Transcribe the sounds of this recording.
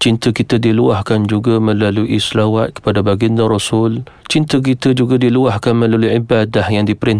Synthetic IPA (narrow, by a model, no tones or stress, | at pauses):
t͡ʃint̪əkit̪ədiluahkand͡ʒuɡamə̃laluʔisəlawat̪̚kə̥padabaɡinaɾɔsʊlt͡ʃint̪ək̬it̪əd͡ʒuɡadiluahkanmə̃laluʕibadahjaŋdipəɾɪn